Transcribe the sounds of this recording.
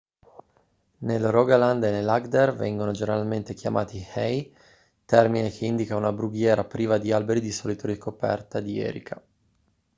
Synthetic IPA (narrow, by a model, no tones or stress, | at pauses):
nelrɔɡaland̪enelaɡd̪ervɛ̰ŋɡonod͡ʒeneɾalment̪ekjamʔa̰ːt̪ihɛj | t̪ɛrminekʰeind̪ikaunabɾuɡjɛːɾapɾiːvad̪ialbeɾid̪isɔlit̪oɾikopɛ̰rt̪ad̪iɛ̰ːɾḭkʰa